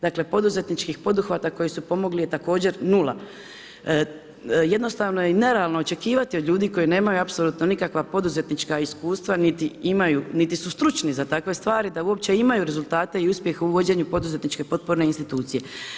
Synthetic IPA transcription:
d̪akle̞po̞d̪uze̞t̪nit͡ʃkixpo̞d̪uxʋat̪ako̞jisupo̞mo̞ɡlije̞t̪ako̞ːd͡ʑe̞ɾnulˠa̰ | je̞d̪no̞st̪aːʋno̞jeine̞ɾeaːlnoot͡ʃe̞kiːʋat̪io̞d̪lʎʲuːd̪iːko̞jine̞ːmajuapso̞lˠuːt̪no̞nikakʋapo̞d̪uze̞t̪nit͡ʃkaiskuːst̪ʋanit̪iimajunit̪isust̪ɾut͡ʃnizat̪akʋe̞st̪ʋaːɾid̪auo̞p̚t͡ɕe̞imajuɾe̞zult̪aːt̪e̞iuspje̞xeuʋo̞d͡ʑe̞ːɲupo̞d̪uze̞t̪nit͡ʃke̞po̞t̪̚po̞ɾne̞inst̪it̪uːt̪sije̞

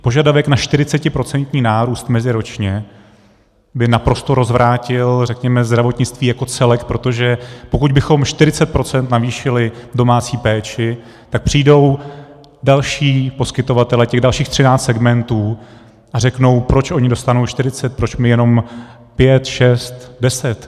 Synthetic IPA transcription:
po̞ʒadavɛknaʃt̪ɪɾɪt͡sɛcɪpɾo̞t͡sɛnt̪ɲiːnaːɾuːst̪mɛzɪɾot͡ʃɲɛ | bɪnapɾo̞st̪o̞ɾo̞zvɾʔaːcɪlrɛkɲɛmɛzd̪ɾavo̞t̪ɲɪt͡st̪viːjako̞t͡sɛlɛkpɾo̞t̪o̞ʒɛpo̞kuɟ̚bɪxo̞mʃt̪ɪɾɪt͡sɛt̪̚pɾo̞t͡sɛnt̪naviːʃɪlɪdo̞maːt͡siːpɛːt͡ʃɪ | t̪ak̚pr̝̥iːdo̞w | dalʃiːpo̞skɪt̪o̞vat̪ɛlɛcɛɣdalʃiːxt̪r̝ɪnaːt͡st̪sɛɡmɛnt̪uː | ʔarɛkno̞wpɾo̞t͡ʃʔo̞ɲɪdo̞st̪anowʃt̪ɪɾɪt͡sɛt̪̚pɾo̞t͡ʃmɪjɛno̞m | pjɛt̪ʃɛst̪dɛsɛt̪

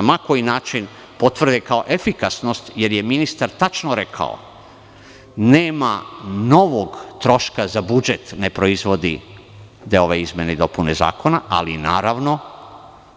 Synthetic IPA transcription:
amako̞jinaːt͡ʃin | po̞t̪ʋr̩d̪ekaoʔefikasno̞st̪je̞ɾje̞minist̪aɾt̪at͡ʃnoɾe̞kʰa̰o̰ | neːmano̞ʋo̞ɡt̪ɾo̞ʃkazabud͡ʒet̪ne̞pɾo̞izʋo̞d̪ḭ | d̪ao̞ʋeizmʲjened̪o̞puneza̰ːko̞naa̰lina̰ːɾaʋno̞

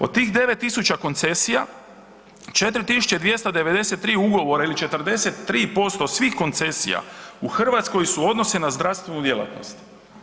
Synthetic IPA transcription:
od̪̚t̪ːiːxd̪e̞ʋet̪ːisut͡ɕako̞nt̪se̞sija | t͡ʃe̞t̪ɾit̪isu̥t͡ʃe̞d̪ʋje̞st̪ad̪e̞ʋe̞d̪e̞set̪ːɾiːuɡo̞ʋo̞ɾailit͡ʃe̞t̪ərd̪e̞se̞t̪ːɾiːpo̞st̪osʋiːxko̞nt̪se̞sḭja̰uxr̩ʋat̪sko̞jsuo̞d̪no̞senazd̪ɾafst̪ʋenud̪je̞lˠa̰t̪no̞̰st̪

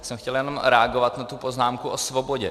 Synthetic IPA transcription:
sɛmxcɛljɛno̞mɾɛaɡovat̪nat̪upo̞znaːmkuʔosvo̞boɟɛ

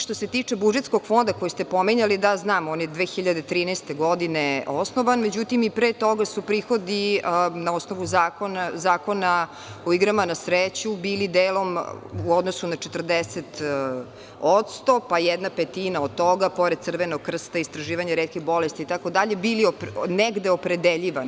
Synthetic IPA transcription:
ʃt̪ose̞t̪it͡ʂebud͡ʒet̪skoɡ̥fo̞nd̪akojist̪epomiɲalid̪aznaːmonid̪ʋeːxiʎad̪et̪ɾiːnɛst̪eɡod̪ineosnoʋanme̞d͡ʑut̪imipɾet̪oɡasupɾiːxo̞d̪inaosnoʋuzaːkonazaːko̞na | oiɡɾamanasɾet͡ɕubiːlid̪eːlˠo̞muod̪nosunat͡ʃet̪r̩d̪eset̪ | ot̪st̪o̞pajɛd̪napet̪iːnaod̪̚t̪oɡapo̞ɾe̞d̪̚t̪sr̩ʋenoɡ̚kːr̩st̪aist̪ɾaʒiːʋaɲaɾet̪kiɣbo̞lest̪iːt̪akod̪aʎe̞biliopneɡd̪eopɾed̪eʎiʋan

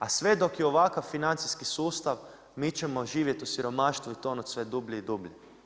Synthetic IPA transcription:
asʋe̞d̪o̞kjeoʋakaʋfinant̪siskisuːst̪aʋ | mit͡ʃemo̞ʒiːʋjet̪usiɾo̞maːʃt̪ʋuit̪o̞not̪sʋed̪ubʎiid̪ubʎi

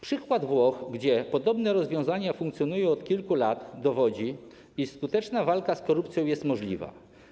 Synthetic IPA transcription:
pʂɘkwad̪vwɔxɡd͡ʑɛpɔd̪ɔbnɛɾɔzvʲjɔ̃w̃zaɲafuŋkt̪sʲjɔnujɔ̃w̃ɔt̪̚kʲilkulat̪d̪ɔvɔd͡ʑi | iskut̪ɛt͡ʂnavalkaskɔɾupt̪sʲjɔ̃w̃jɛst̪mɔʐlʲḭva̰

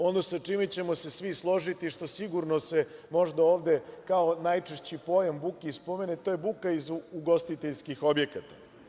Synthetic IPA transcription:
o̞nosat͡ʂimet͡ɕe̞mo̞se̞sʋislˠo̞ʒit̪iʂt̪o̞siɡuɾnosemo̞ʐd̪ao̞ːʋd̪e̞kao̞najt͡ʂeʃt͡ɕipo̞jambukispo̞me̞net̪o̞jebukaizuɡo̞st̪it̪eʎskixo̞bje̞kat̪a

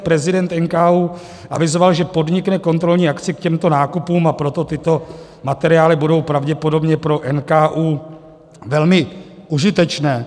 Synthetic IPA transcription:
pɾɛzɪdɛnt̪ʔɛnkaːuː | ʔa̰vɪzo̞valʒɛpo̞dɲɪknɛko̞nt̪ɾo̞lɲiːakt͡sɪkcɛmt̪o̞naːkupuːmapɾo̞t̪o̞t̪ɪt̪o̞ | mat̪ɛɾɪjaːlɪbudo̞wpɾavɟɛpo̞do̞bɲɛpɾo̞ʔɛnkaːʔuː | vɛlmɪʔuʒɪt̪ɛt͡ʃnɛː

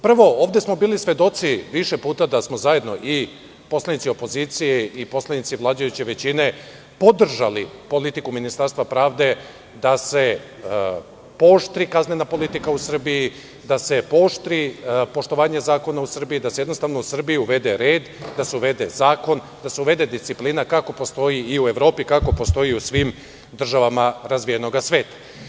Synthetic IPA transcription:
pr̩ʋo̞o̞ːʋd̪e̞smo̞biːlisʋʲje̞d̪o̞t̪siʋiʃe̞puːt̪ad̪asmo̞zaje̞d̪no̞̰ʔi | po̞slanit̪sio̞po̞ziːt̪sijeʔipo̞slˠanit̪siʋlˠaːd͡ʑajut͡ɕe̞ʋe̞t͡ɕine̞ | po̞d̪r̩ʒa̰lipo̞lit̪ikuminist̪aɾst̪ʋapɾaːʋd̪e̞ | d̪ase̞ | po̞ʃt̪ɾikaznenapo̞lit̪ikausr̩biji | d̪ase̞po̞ʃt̪ɾipo̞ʃt̪o̞ʋaːɲezaːko̞nausr̩bijid̪ase̞jednost̪aʋnousr̩biiuʋe̞d̪eɾe̞ːd̪d̪aseuʋed̪e̞zaːko̞n | d̪ase̞uʋe̞d̪e̞d̪ist̪siplinakako̞po̞st̪o̞jiiue̞ʋɾo̞ːpikako̞po̞st̪o̞iusʋim | d̪r̩ʒaʋamaɾazʋije̞no̞ɡasʋe̞ːt̪ḁ

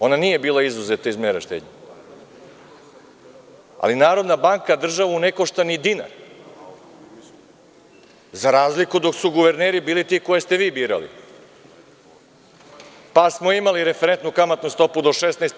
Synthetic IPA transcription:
o̞naniːje̞biːlˠaizuzet̪aizmeːɾaʃt̪ḛd̪ɲa | a̰linaːɾo̞d̪nabaŋkad̪r̩ʒaʋuunekoʃt̪anid̪ina̰ɾ | zaɾaːzlikud̪o̞ksuɡuʋe̞ɾneːɾibiːlit̪ikojest̪e̞ʋiːbiːɾa̰lḭ | pasmo̞imaliɾefeɾent̪nukamat̪nust̪o̞pud̪o̞ʃesnajst̪

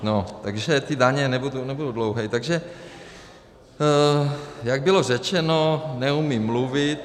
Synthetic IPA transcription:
not̪aɡʒɛt̪ɪdaɲɛnɛbudunɛbududlowɦɛjt̪aɡʒɛ | jaɡ̚bɪlo̞rɛt͡ʃɛnonɛumimːluvɪt̪

